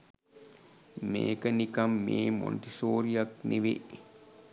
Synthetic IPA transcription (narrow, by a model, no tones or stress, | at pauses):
mḛːkənikɐmːeːmo̰nʈisoːɾijak̚niʋḛʔ